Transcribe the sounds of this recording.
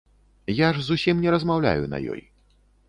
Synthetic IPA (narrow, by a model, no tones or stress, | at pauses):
jaʐzusʲimnʲɛɾɐzmawlʲa̰junɐ̰jɔ̰j